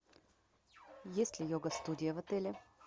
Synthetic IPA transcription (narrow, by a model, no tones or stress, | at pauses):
jɛslʲijɔɡɐst̪ud̪ʲiəvɐt̪ɛlʲɛ